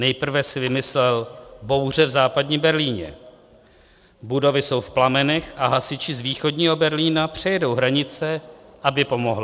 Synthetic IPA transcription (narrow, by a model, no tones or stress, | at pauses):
nɛjpr̩vɛsɪvɪmɪslɛlbo̞wr̝ɛvzaːpadɲiːmbɛɾliːɲɛ̰ | budo̞vɪso̞wfplamɛnɛxaɦasɪt͡ʃɪzviːxo̞dɲiːɦo̞bɛɾliːnapr̝̥ɛjɛdo̞wɦɾaɲɪt͡sɛʔabɪpo̞mo̞ɦlɪ